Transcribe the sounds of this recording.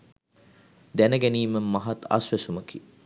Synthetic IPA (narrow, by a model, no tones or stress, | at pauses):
d̪ænəɡæniːməmɐɦat̪ɐ̰sʋesuməki